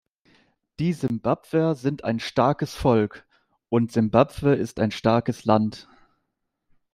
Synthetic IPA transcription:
d̥iːzɪmbapv̥əzɪntʰa̰ɪnʃtaɐkəsfɔlk | ʔʊntz̥ɪmbapv̥əɪstaɪnʃtaɐkəslant

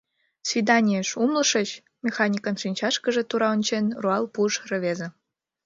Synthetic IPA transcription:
svʲid̪ɑnʲieʃumlɤ̆ʃɤ̆t͡ɕ | mʲexɑnʲikənʃinʲt͡ɕɑʃkə̆ʒĕt̪uɾɑonʲt͡ɕenruɑlˠpuʃrə̆βezĕ

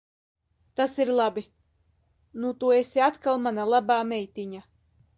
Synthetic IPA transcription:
t̪asiɾlˠabi | nut̪uːesiat̪kalˠmanalˠabaːmɛjt̪iɲa

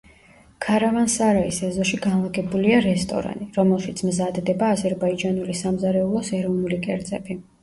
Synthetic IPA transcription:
kʰaɾavansaɾaisɛzɔʃiɡanlˠaɡɛbuliaɾɛst̪ʼɔ̰ɾa̰niɾɔmɛlˠʃit̪sʰmzad̪d̪ɛbaːzɛɾbaid͡ʒanulisamzaɾɛulˠɔsɛɾɔvnulikʼɛɾd̪zʼɛbi

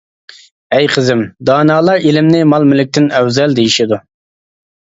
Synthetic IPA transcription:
ɛjqʰəzɪmd̪ɑːnɑːlˠɑɾelɪmnɪmɑlˠmɪlɪk̚ʲt̪ʰɪnɛwzɛld̪ejiʃid̪u

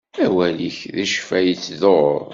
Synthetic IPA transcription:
æwæliçðæʃfæjət͡sːðo̰ɾˤ

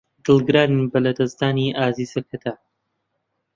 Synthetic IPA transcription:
d̪̥ɨlˠɡɨɾaːnibɐlɐd̪ɐzd̪aːniʔaːziːzɐkʰɐt̪ʰa

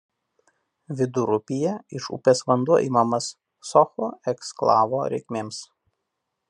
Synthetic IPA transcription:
ʋʲɪd̪ʊɾʊpʲɪjɛɪʃʊ̰pʲeːsʋɐnd̪uɔʔḭːmɐmɐsː | ɔxɔɛksklˠɑ̰ːʋoːɾʲɛ̰ɪkʲmʲeːms

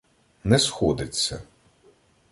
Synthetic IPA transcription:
nɛsxɔd̪ɪt͡sʲːɐ̰

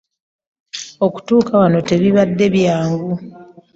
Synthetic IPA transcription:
o̞ku̥tuːkawano̞te̞βiβadːe̞βjaːŋɡu

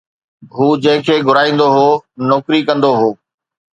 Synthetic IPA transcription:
ɦuːd͡ʑɐ̃ɦɪ̃kʰeːɡʱʊɾaːĩːnd̪oɦoːnɔːkɾikɐ̃nd̪oɦoː

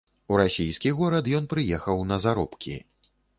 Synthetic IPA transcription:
uɾasʲijskʲiɣɔɾɐt̪jɔnpɾɨjɛxɐwnɐzaɾɔ̰pkʲḭ

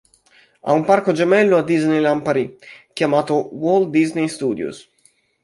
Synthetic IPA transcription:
a̰umparkod͡ʒɛmɛlːoad̪ːiznejlampaɾikjamaːt̪owɔld̪iznejst̪uːd̪jṵs

